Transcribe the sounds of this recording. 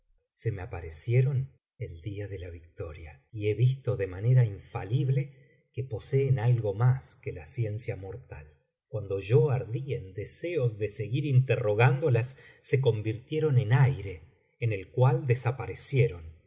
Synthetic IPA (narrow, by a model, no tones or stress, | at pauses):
se̞meapaɾesje̞ɾo̞n | eld̪iaðe̞laβik̚t̪o̞ɾja | ie̞βist̪o̞ðemane̞ɾaiɱfaliβle̞ | kepo̞seːnalɣo̞maskelasje̞nsjamo̞ɾt̪a̰l | kwand̪o̞ʒo̞aɾðiend̪eseo̞zðe̞seɣiɾint̪ero̞ɣand̪o̞lasː | ek̬o̞mbiɾt̪je̞ɾo̞ne̞najɾe̞ː | ne̞lkwald̪esapaɾesje̞ɾo̞n